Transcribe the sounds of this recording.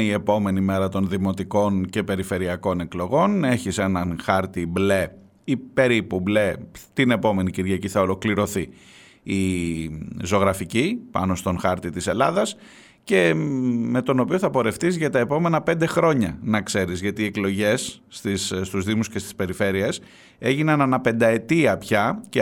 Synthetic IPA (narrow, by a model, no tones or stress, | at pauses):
ie̞po̞me̞nime̞ɾɐt̪o̞nðimo̞t̪iko̞nce̞pe̞ɾife̞ɾiɐko̞ne̞klo̞ɣo̞ne̞çise̞nɐnxɐɾt̪ible̞ | ipe̞ɾipuble̞t̪ine̞po̞me̞niciɾʝɐciθɐo̞lo̞kliɾo̞θiː | zoɣɾɐficipɐ̰no̞st̪o̞nxɐɾt̪it̪ise̞lɐðɐs | ce̞me̞t̪o̞no̞pio̞θɐpo̞ɾe̞ft̪izʝɐt̪ɐe̞po̞me̞nɐpe̞nd̪e̞xɾo̞ɲɐnɐkse̞ɾizʝɐt̪iːeklo̞ʝe̞sːt̪isst̪uzðimuscest̪ispe̞ɾife̞ɾie̞s | e̞ʝinɐnɐnɐpe̞nd̪ɐe̞t̪iɐpçɐc